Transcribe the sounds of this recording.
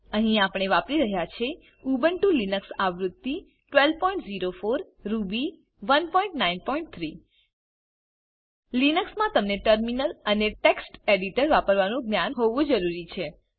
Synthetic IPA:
əɦĩapɳ̃eʋapɾiɾəɦjat͡ʃʰe | ubəɳʈũlinəksaʋɾut̪ːi | ʈʋelpɔĩɳʈziɾofoɾː | ubi | ʋənpɔĩɳʈnainpɔiɳʈ̚t̪ʰɾi | linəksmãt̪əmneʈəɾminələneʈeksʈeɖiʈəɾʋapəɾʋanũɡnjanɦoʋũd͡ʒəɾuɾit͡ʃʰe

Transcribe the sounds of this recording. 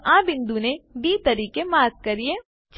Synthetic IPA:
ãːbɪ̃nd̪unebiːt̪ɐɾiːkemaːt̪̚kɐɾie | t͡ʃ

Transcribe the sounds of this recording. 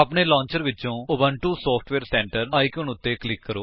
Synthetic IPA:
əpneːlɔ̃ːɲt͡ʃəɾʋɪt͡ʃõːʊbəɳʈuːsɔːpʰʈʰʋeːɾsɛ̃ːɳʈəɾaːikjuːnʊt̪ːeːklɪkːəɾoː

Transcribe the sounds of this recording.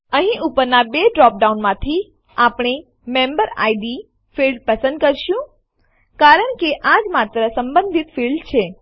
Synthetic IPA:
əɦĩʔupəɾnabeɖɾɔp̚ɖaunmãt̪ʰi | apɳ̃e | membəɾa̰jɖi | filɖpəsənd̪̚kəɾʃjũ | kaɾəɳkeʔad͡ʒmat̪ɾəsəmbə̃nd̪ʱit̪filɖt͡ʃʰe

